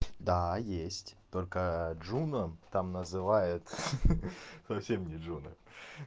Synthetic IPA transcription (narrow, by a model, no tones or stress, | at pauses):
d̪ajesʲtʲt̪o̞lʲkəʐunət̪amnəzɨvajɪt̪ | sɐfsʲemnʲɪʐunə̰